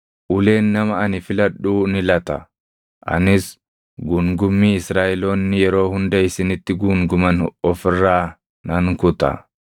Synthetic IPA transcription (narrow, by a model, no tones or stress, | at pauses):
ʔʊle̞ːnːɐmɐɐnɪfɪlɐɗːuːnɪlɐt̪ɐ̰ | ʔɐ̰nɪs | ɡʊŋɡʊmːiːɪsɾaːʔɛlo̞ːnːɪjɛɾo̞ːhʊnd̪ɐɪsɪnɪt̪ːɪɡuːŋɡʊmɐnɔfɪrːaː | nɐŋkʊt̪ɐ̰